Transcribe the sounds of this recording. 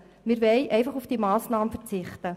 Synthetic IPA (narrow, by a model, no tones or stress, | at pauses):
mɪɾʋɛɪʔɛjfɑχufd̥imɑːsnɑːmfəɾt͡sɪχtə